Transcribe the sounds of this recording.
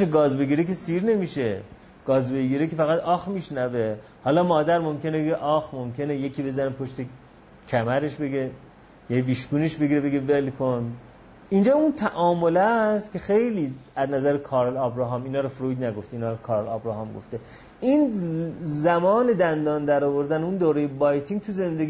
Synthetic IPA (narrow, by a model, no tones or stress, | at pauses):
ʃeɡɒːzbe̞ɡiːɾeke̞siːɾne̞miːʃe | ɡ̥ɒːzbe̞ɡiːɾekefæɣæt̪ʰɒːxmiːʃnæve̞ | hɒːlɒːmɒːd̪æɾmo̞mkʰe̞nebeɡeʔɒːxmomcʰe̞nejekʰiːbe̞zænepʰo̞ʃt̪e̞ | cʰæmæɾe̞ʃbe̞ɡe | jæviːʃɡuːneʃbeɡiɾebe̞ɡe̞ve̞lkʰon | ind͡ʒɒːunt̪ʰæʔɒːmolæst̪kʲʰe̞xejliːæznæzæɾekʰɒːɾlɒːbɾɒɦɒːmiːnɒːɾofɾojd̪næɡo̞ft̪iːnɒːɾokʰɒːɾlɒːbɾɒɦɒmɡo̰ft̪e | ʔin | zæmɒːne̞d̪ænd̪ɒːnd̪æɾɒːvo̞ɾd̪æneund̪oːɾejebɒjt̪ʰiŋɡ̚t̪ʰuze̞nd̪eɡi